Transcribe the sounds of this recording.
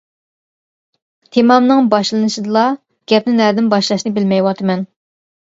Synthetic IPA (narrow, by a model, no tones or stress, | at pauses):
t̪ʰemɑmnɨŋbɑʃlˠɨnɨʃɨd̪ɨlˠɑ | ɡ̥ʲɛpnɪnæɾd̪ɪnbɑʃlˠɑʃnɨbɪlmɛjwɑt̪ʰɨmɛn